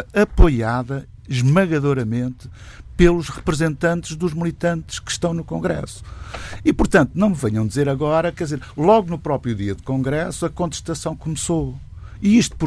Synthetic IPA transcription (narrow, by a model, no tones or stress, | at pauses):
ɐpojaðɐ | ʒmɐɣɐðoɾɐmẽnt̪ɨ | pelˠuʃʁɨpɾɨzẽnt̪ɐ̃nt̪ɨʒðuʒmlˠit̪ɐ̃nt̪ʃkɨ̥ʃt̪ɐ̃w̃nukõŋɡɾɛ̰su̥ipuɾt̪ɐ̃nt̪unɐ̃w̃mvɛɲɐ̃w̃d̪izeɾɐɣɔɾɐkɛɾd̪izeɾlˠɔɣunupɾɔpɾjuðiɐðukõŋɡɾɛsuɐkõnt̪ɨʃt̪ɐsɐ̃w̃kumso | iiʃt̪u̥p